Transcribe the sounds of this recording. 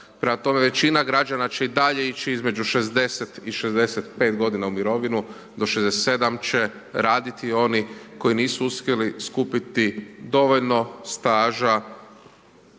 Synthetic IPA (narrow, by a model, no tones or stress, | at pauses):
pɾe̞mat̪o̞me̞ʋe̞t͡ɕinaɡɾad͡ʒanat͡ɕe̞id̪aʎe̞it͡ʃiizme̞d͡ʒuʃe̞zd̪e̞set̪iʃezd̪e̞set̪pe̞t̪ɡo̞d̪inaumiɾo̞ʋinu | d̪o̞ʃezd̪ese̥t̪se̞d̪amt͡ʃe̞ | ɾaːd̪it̪io̞niko̞iniːsuuspje̞liskupit̪id̪o̞ʋoʎno̞st̪aːʒa